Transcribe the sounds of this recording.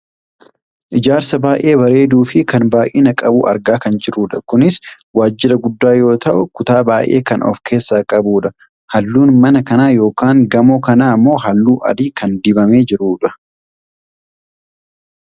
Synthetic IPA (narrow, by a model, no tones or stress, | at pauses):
ʔɪd͡ʒaːɾsɐbaːʔe̞ːbɐɾe̞ːd̪uːfɪkɐnbaːʔɪnɐkʼɐbṵːʔɐ̰ɾɡaːkɐnd͡ʒɪɾuːᶑɐkʊnɪs | waːd͡ʒːɪɾɐɡʊd̪ːaːjo̞ːt̪ɐʔʊkʊt̪aːbaːjʔe̞̰ːkɐnɔ̰fkʰe̞ːsːaːkʼɐbuːᶑɐ | hɐlːuːnmɐnɐkɐnaːjo̞ːkaːŋɡɐmoːkɐnaːmːo̞ːɦɐlːuːʔɐ̰d̪iːkɐnd̪ɪbɐmeːd͡ʒɪɾuːᶑɐ̥